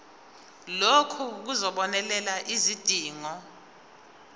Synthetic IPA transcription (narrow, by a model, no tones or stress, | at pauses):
lokʰuk̬uzɔɓɔnɛlɛlaʔizid̥ʱiːŋɔ